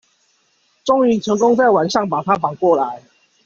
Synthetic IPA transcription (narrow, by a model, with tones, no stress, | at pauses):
ʈ͡ʂo˥ŋy˨˩ʈ͡ʂʰɤ˧˦˥ŋko˥˦ŋt͡sa˥˩ɪwa˨˩nʂɑ˥˨˩ŋpa˨˩t̪ʰa˦fɑ˨˩ŋkwɔ˥˨˩la˨˦ɪ